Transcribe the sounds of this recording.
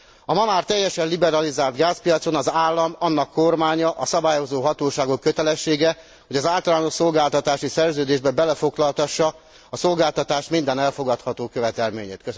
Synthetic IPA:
ɒmɒmaːrt̪ɛjːɛʃɛnlibɛɾɒlizaːlt̪ɡaːspijɒt̪so̞nɒzaːlːɒmɒnːɒkːo̞rmaːɲɒʔɒsɒbaːjo̞zoːɦɒt̪oːʃaːɡo̞kːøt̪ɛlɛʃːeːɡɛ | ho̞ɟɒzaːlt̪ɒlaːno̞ʃso̞lɡaːlt̪ɒt̪aːʃisɛrzøːd̪eːʒbɛbɛlɛfo̞ɡlɒlt̪ɒʃːɒː | so̞lɡaːlt̪ɒt̪aːʃmind̪ɛnɛlfo̞ɡɒt̪hɒt̪oːkøvɛt̪ɛlmḛːɲḛːt̪kø

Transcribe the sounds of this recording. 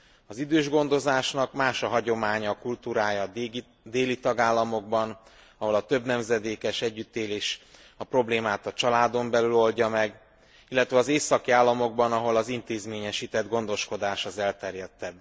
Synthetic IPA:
ɒzid̪øːʒɡo̞nd̪o̞zaːʃnɒkmaːʃɒɦɒɟo̞maːɲɒkult̪uːɾaːjɒ | d̪eːlit̪ɒɡaːlːɒmo̞ɡ̚bɒn | ɒɦo̞lɒt̪ø̞bnɛmzɛd̪eːkɛʃɛɟːyt̪ːeːleːʃ | ɒpro̞bleːmaːt̪ɒt͡ʃɒlaːd̪o̞mbɛlylo̞lɟɒmɛɡ | ilːɛt̪ʋɛɒzeːsɒkiaːlːɒmo̞ɡ̚bɒnɒɦo̞lɒzint̪eːzmeːɲɛʃiːt̪ɛd̪ɡo̞nd̪o̞ʃko̞d̪aːʃɒzɛlt̪ɛrjɛt̪ːɛb

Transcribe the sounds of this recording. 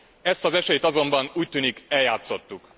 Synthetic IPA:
ɛst̪ɒzɛʃɛjet̪ɒzo̞mbɒnuːc̚t̪yːnikɛljaːt̪so̞t̪ːuk

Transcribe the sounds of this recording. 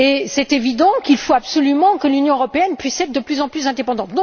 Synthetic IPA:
esɛt̪evid̪ɑ̃kilfoapsɔlymɑ̃kəlynjɔ̃əʁɔpeɛnpɥisɛt̪χd̪əplyzɑ̃plyzɛ̃d̪epɑ̃d̪ɑ̃t̪d̪̃

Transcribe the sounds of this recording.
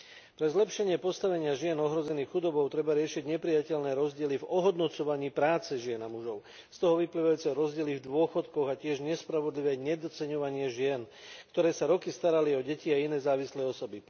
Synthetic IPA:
pɾɛzlɛpʃɛɲɪɛpɔst̪aʋɛɲɪaʒɪɛnɔɦɾɔzɛniːxxud̪ɔbɔʊt̪ɾɛbaɾɪɛʃiɟɲɛpɾijacɛʎnɛːɾɔzɟɪɛlivɔɦɔd̪nɔt͡sɔʋaɲiːpɾaːt͡sɛʒɪɛnamuʒɔʊ | st̪ɔɦɔʋipliːʋajuːt͡sɛɾɔzɟɪɛlivd̪ʊɔxɔt̪kɔɣacɪɛʒɲɛspɾaʋɔd̪liʋɛːɲɛd̪ɔt͡sɛɲɔʋaɲɪɛʒɪɛnkt̪ɔɾɛːsaɾɔkist̪aɾaliɔɟɛciainɛːzaːʋislɛɔsɔbi

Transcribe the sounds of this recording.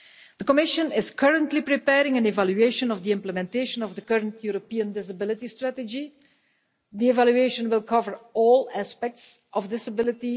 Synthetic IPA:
d̥̪əkɔmɪʃə̃nɪskʰəɹə̃ntlipɹipɛːɹɪ̃ŋæ̃nɛvaljʉeɪʃə̃nɔvd̪iɪ̃mpləmɛ̃nteɪʃə̃nɔvd̪əkɜɹə̃ntʰjuɹopiə̃ndɪsabɪlɪtistɹætəd͡ʒi | d̪iɛvalʉeɪʃə̃nwɪlˠkʰʌvəɹɔːlˠæspɛk̚tsʔɔvdɪsabɪlɪti

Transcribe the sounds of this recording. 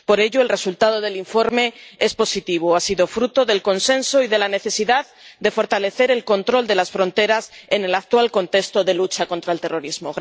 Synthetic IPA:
po̞ɾe̞ʎo̞elre̞sult̪að̞o̞ð̞e̞liɱfo̞ɾme̞e̞spo̞sit̪iβ̞oasiðo̞fɾut̪o̞ðe̞lko̞nsẽ̞nso̞iðe̞lane̞θe̞siðaðd̪e̞fo̞ɾt̪ale̞θe̞ɾe̞lko̞nt̪ɾo̞ld̪e̞lasfɾo̞nt̪e̞ɾasene̞lak̚t̪walko̞nt̪e̞kst̪o̞ðe̞lut͡ʃako̞nt̪ɾaelt̪e̞ro̞ɾizmoɣ

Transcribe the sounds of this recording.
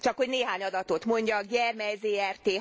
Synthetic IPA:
t͡ʃɒkho̞ɟneːɦaːɲɒd̪ɒt̪ot̪mo̞ɲɟɒɡɟɛrmɛjzeːɛrt̪eː

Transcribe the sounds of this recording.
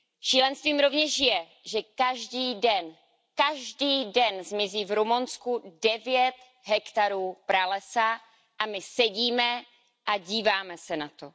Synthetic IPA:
ʃiːlɛnst̪viːmɾo̞vɲɛʃjɛ | ʒɛkaʒdiːdɛn | kaʒdiːdɛnzmɪziːvɾumunskudɛvjɛt̪ | ɦɛkt̪aɾuːpɾalɛsa | ʔamɪsɛɟiːmɛ | ʔaɟiːvaːmɛsɛnat̪o̞

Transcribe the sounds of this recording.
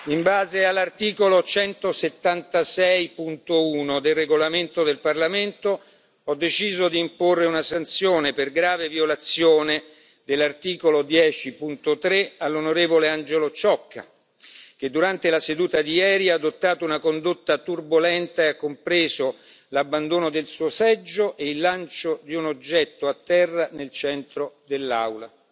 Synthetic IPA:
imbaːzealːart̪iːkolot͡ʃɛnt̪oset̪ːant̪asɛjpunt̪ouːnod̪elreɡolament̪od̪elparlament̪o | ɔd̪ːet͡ʃiːzod̪iːmporːeunasant̪sjoːneperɡɾaːveviolat̪sːjoːne | d̪elːart̪iːkolod̪jɛːt͡ʃipunt̪ot̪ɾealːonoɾeːvoleand͡ʒelot͡ʃɔkːa̰ | k̟ed̪ːuɾant̪elased̪uːt̪ad̪ijɛːɾiad̪ot̪ːaːt̪ounakond̪ot̪ːat̪urbolɛnt̪aeakːompɾeːzo | labːand̪oːnod̪elsuːosɛd͡ʒːoʔeilːant͡ʃod̪iunod͡ʒːɛt̪ːoat̪ːɛrːanelt͡ʃɛnt̪ɾod̪elːawla

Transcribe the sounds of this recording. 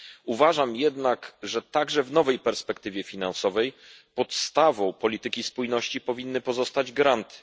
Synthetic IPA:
uvaʐamjɛd̪nakʐɛt̪aɡʐɛvnɔvɛjpɛɾspɛkt̪ɘvʲjɛfʲinansɔvɛjpɔt̪st̪avɔ̃w̃pɔlʲit̪ɘkʲispujnɔɕt͡ɕipɔvʲinːɘpɔzɔst̪ad͡ʑɡɾant̪ɘ̥

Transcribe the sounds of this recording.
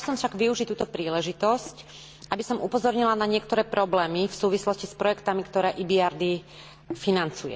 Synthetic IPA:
sɔmfʃaɡʋiuʒict̪uːt̪ɔpɾiːlɛʒit̪ɔsc | ʔabisɔmupɔzɔɾɲilanaɲɪɛkt̪ɔɾɛːpɾɔblɛːmifsuːʋislɔscispɾɔjɛkt̪amikt̪ɔɾɛːʔibijaɾd̪i | finant͡sujɛ̰

